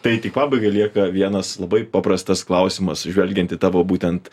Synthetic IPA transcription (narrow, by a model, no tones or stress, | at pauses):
t̪ɐɪt̪ʲɪkpɑːbɐɪɡɐɪlʲiɛkɐʋʲiɛnɐslˠɐbɐɪpɑpɾɐst̪ɐsklˠɐʊsʲɪmɐsʒʲʋʲɛlʲɡʲɛnt̪ʲɪt̪ɑːʋoːbuːt̪ʲɛnt̪